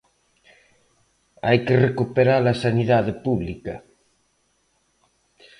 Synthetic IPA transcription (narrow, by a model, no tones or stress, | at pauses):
a̰jkerekupeɾalasaniðaðepuβlikɐ